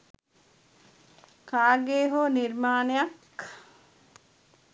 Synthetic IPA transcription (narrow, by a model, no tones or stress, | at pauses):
kʰaːɡeːɦoːniɾmaːnejak